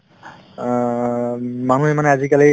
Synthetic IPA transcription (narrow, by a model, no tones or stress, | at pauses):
manuɦemaneazikali